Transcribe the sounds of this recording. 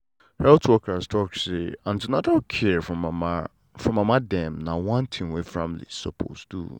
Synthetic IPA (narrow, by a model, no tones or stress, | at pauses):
hɛltʰwɔkʰastʰɔkseãndunadɔkʰɛfɔ̃m | fɹɔ̃mãmãdɛ̃mnãwɔ̃ntʰĩmwefɹãmlḭsɔ̰pʰo̰stʰṵ